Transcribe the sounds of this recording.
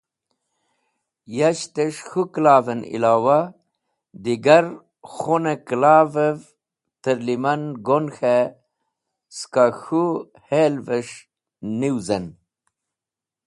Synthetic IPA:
jaɕt̪eʂxuklaːvenḭlaːwa | d̪iɡɐɾ | xoneklaːvev | t̪əɾlimɐnɡonxe | skaxu | helveʂ | niwzɐn

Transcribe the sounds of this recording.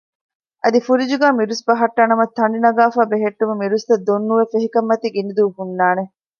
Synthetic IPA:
ʔɐd̪ifuɾid͡ʒuɡæːmiɾusbɐɦɐʈːanɐmɐt̪ʰːɐɳ̆ɖinɐɡaːfaːbeɦeʈːumemiɾust̪ɐd̪onːuʋefeɦikɐmːɐt̪iɡinid̪uʋɦunːaːne

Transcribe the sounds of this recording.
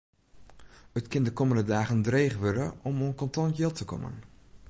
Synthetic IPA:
ətkɪndəkɔməndədaːɣəndreːχʋødəʔɔmonkɔntɔntjɪlˠtəkɔ̰mə̰n

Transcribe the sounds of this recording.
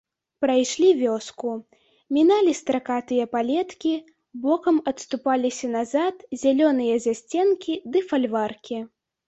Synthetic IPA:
pɾajʂlʲivʲɔsku | mʲinalʲist̪ɾakat̪ɨjɐpalʲɛt̪kʲi | bɔkɐmɐt̪st̪upalʲisʲɐnazat̪zʲalʲɔnɨjɐzʲasʲt͡sʲɛnkʲid̪ɨfalʲvarkʲi

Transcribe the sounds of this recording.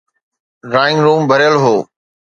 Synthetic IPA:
ɾaːɪ̃ŋɡɾũːmbʱəɾjəlɦoː

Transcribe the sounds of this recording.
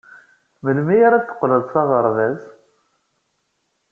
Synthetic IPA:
məlmijaɾat͡sːə̥qːləðˤsɑʁəɾˤðæz

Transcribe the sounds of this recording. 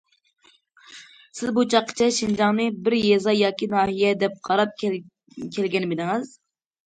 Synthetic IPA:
sɪzbut͡ʃʰɑqʰːə̥t͡ʃʰɛʃind͡ʒɑŋnɨbɪɾjezɑjɑːkʲinɑːɦijɛd̪ɛp̚qʰɑɾɑp̚ | kʲʰɛlɡʲɛnɪbɪd̪ɪŋɨz̥

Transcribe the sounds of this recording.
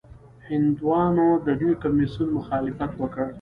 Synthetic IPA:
hɪnd̪wɑnod̪aɖjokamisunmʊxɑlɪfat̪wəkəɽ

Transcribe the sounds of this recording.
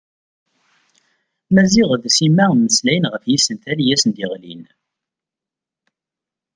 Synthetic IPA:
mæziʁðsimːæməslæjənʁəfjisənt̪æljæsənd̪iʁlḭn

